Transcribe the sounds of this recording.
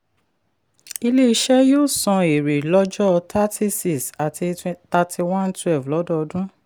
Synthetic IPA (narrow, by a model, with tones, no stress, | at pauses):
i˧le˦i˧ʃɛ˦jo˦˨sɔ̃˧e˨ɾe˨lɔ˦d͡ʒɔ˦ɔ˧tʰa˦ti˦si˨sa˨tʰi˧ta˧tʰi˧wã˦ntwɛ˦˨vlɔ˨˦dɔ˦ɔ˧dũ˦